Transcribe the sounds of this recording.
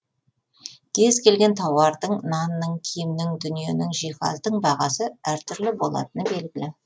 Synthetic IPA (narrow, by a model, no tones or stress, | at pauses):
kʲʰe̞zkʲʰe̞lɡʲe̞nt̪ʰɑwɑɾd̪əɴnɑnːəɴkʲʰijmnɪŋd̪ʏnije̞nɪŋʒijχɑ̰zd̪əɴbɑʁɑsəæɾt̪ʰʏɾlɪbo̞lˠɑ̰t̪ənəbe̞lɡʲɪlɪ